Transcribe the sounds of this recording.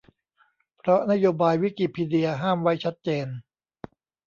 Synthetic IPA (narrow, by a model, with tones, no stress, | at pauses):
pʰɾɔ˦˥na˦˥joː˧baː˧jwi˦˥ki˨˩pʰiː˧di˧ɐɦaː˥˩mwa˦˥jt͡ɕʰa˦˥t̪̚t͡ɕeː˧n